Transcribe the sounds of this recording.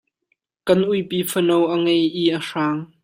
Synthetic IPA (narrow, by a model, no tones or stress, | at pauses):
kɐnʔujpiːfənowʔəŋejʔiʔəʂaːŋ